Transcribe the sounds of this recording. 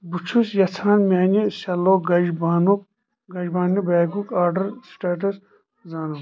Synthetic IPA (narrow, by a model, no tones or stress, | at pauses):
but͡ʃʰusjɐt͡sʰaːnmʲaːnisɐloːɡɐd͡ʒbaːnuk̚ | ɡɐd͡ʒbaːnibaːɡukaːɾɖɐɾsʈaːʈ̬ɐs | zaːnu